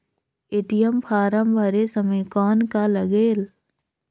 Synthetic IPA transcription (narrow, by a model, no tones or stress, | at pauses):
eːʈɪjəmpʰaːɾəmbʱəɾesəməjkɔːnkaləɡeːl